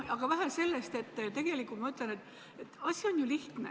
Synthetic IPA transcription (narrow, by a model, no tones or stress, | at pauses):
ɑɡ̥ɑvæɦæse̞lːest̪e̞t̪ːt̪e̞ɡ̥e̞likːˑult̪mɑyt̪lene̞t̪ːˑ | et̪ːɑsʲio̞njuliht̪nḛ